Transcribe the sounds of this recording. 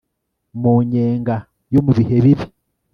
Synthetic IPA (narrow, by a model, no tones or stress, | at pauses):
muɲeːŋɡa | jomuβiheβiβi